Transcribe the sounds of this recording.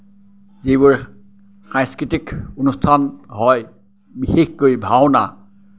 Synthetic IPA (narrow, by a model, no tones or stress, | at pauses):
zibʊɹ | xãŋskɹitikunustʰanɦɔj | bixexkojbʱawna